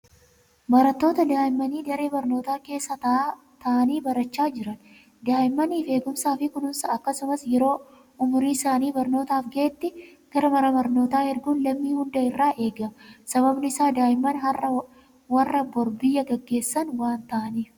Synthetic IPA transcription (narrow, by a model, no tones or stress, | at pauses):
bɐɾɐt̪ːo̞ːt̪ɐd̪aːʔɪmːɐniːd̪ɐɾeːbɐɾno̞ːt̪aːke̞ːsːɐt̪ɐ | t̪ɐʔɐniːbɐɾɐt͡ʃːaːd͡ʒɪɾɐn | d̪aːʔɪmːɐniːfe̞ːɡʊmsaːfɪkʊnʊmsɐːkːɐsʊmɐsjɛɾo̞ː | ʊmʊɾiːsaːniːbɐɾno̞ːt̪aːfɡeɛt̪ːɪkɐɾɐmɐɾɐmɐɾno̞ːt̪aːhɛɾɡuːnlɐmːiːhʊnd̪ɐɪrːaːʔe̞ːɡɐsɐβɐbnɪɪsaːd̪aːɪmːɐnɦɐrːɐ | wɐrːɐbɔɾbɪjːɐɡɐɡːe̞ːsːɐnwaːnt̪ɐʔɐniː